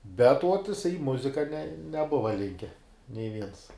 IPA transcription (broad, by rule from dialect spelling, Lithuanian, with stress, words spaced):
bʲɛt uɔt jɪˈsɐɪ ɪ ˈmʊzʲɪkɐ nʲɛ nʲɛˈbʊʋɐ ˈlʲɪŋʲkʲɛ nʲɛɪ ˈʋʲiɛns